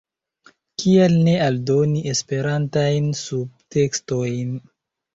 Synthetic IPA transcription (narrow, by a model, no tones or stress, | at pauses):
kʰielne̞aldo̞niʔespe̞ɾantajnsub̚te̞ksto̞jn